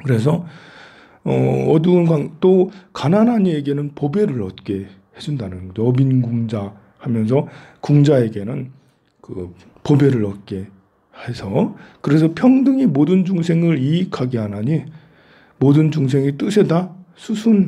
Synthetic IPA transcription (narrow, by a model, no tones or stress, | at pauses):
kɯɾe̞s̬ʰʌ | ʌ̰ʌdɯnkaŋt͈okananaɲie̞ɡe̞nɯnpobe̞ɾɯɭʌt̚k͈e̞ | he̞d͡ʑundanɯnɡʌd͡ʑoʌbinɡuŋd͡ʑa | hamjʌns̬ʰʌkuŋd͡ʑae̞ɡe̞nɯn | kɯ | pobe̞ɾɯɭʌt̚k͈e̞ | he̞sʰʌkɯɾe̞sʰʌpʰjʌŋdɯŋimodɯnd͡ʑuŋsʰe̞ŋɯɾiikʰaɡeɦanaɲi | modɯnd͡ʑuŋs̬ʰe̞ŋit͈ɯsʰe̞dasʰusʰun